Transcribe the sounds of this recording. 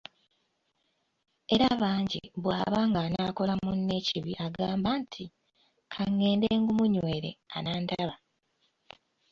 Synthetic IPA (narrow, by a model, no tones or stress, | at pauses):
e̞ɾaβaːɲɟḭβwa̰ːβaːŋɡanaːko̞lamunːe̞ːciβiʔaɡaːmbaːntʰi | kʰaŋːe̞ːndeːŋɡumuɲweːɾḛa̰naːndaβa